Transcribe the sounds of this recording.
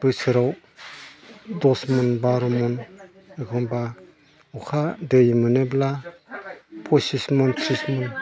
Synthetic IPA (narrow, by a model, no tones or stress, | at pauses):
b̥ɯsɯɾaw | dɔsmɔnbaɾɔmɔn | eɡʰɔnba | ukʰadɯjmɯnebla | pʰɔsismɔntʰɾismɔn